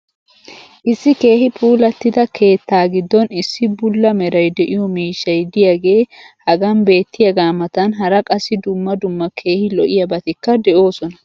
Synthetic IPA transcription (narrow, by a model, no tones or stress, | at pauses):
ʔɪsːɪke̞ːhɪpʰuːlɐt̪ːɪd̪ɐkʰe̞ːt̪ːaːɡɪd̪ːɔnɪsːɪbʊlːɐmɛɾɐjd̪ɛʔɪjɔmiːʃːɐjd̪ɪjaɡe̞ːhɐɡɐmbe̞ːt̪ːɪjɐɡaːmɐt̪ɐnɦɐɾɐkʼɐsɪd̪ʊmːɐd̪ʊmːɐkʰe̞ːhɪlɔʔɪjɐbɐt̪ɪkːɐd̪ɛʔo̞ːsɔnɐ